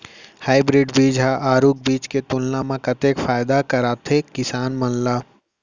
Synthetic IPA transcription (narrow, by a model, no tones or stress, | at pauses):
haːɪbɾɪɖbiːd͡ʒɦaʔaːɾuːk̚biːt͡ʃket̪ʊlnamãkɐt̪eːkfaːjd̪akɐɾaːt̪ʰekɪsaːnmɐnla